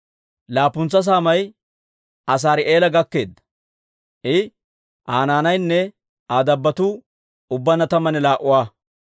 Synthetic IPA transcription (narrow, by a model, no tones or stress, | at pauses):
laːpʊnt͡sːɐs̬aːmɐj | ʔɐs̬aːɾɪʔe̞ːlɐɡɐkːe̞ːd̪ːɐ̥ | ʔɪ | ʔaːnaːnɐjnːɛ | aːd̪ɐbːɐt̪uː | ʊbːɐnɐt̪ɐmɐnɛlaːʔːʊwaː